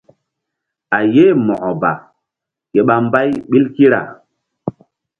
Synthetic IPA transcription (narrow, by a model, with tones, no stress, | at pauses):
a˨je˦mɔ˨ʔɔ˨ba̰˨ | ke˨ɓa˨mba˦jɓi˦lki˦ɾa̰˨